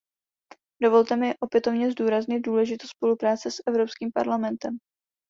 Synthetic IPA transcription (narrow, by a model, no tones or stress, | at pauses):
do̞vo̞lt̪ɛmɪʔo̞pjɛt̪o̞vɲɛzduːɾazɲɪt̪̚duːlɛʒɪt̪ospo̞lupɾaːt͡sɛsʔɛvɾo̞pskiːmpa̰ɾlamɛnt̪ɛm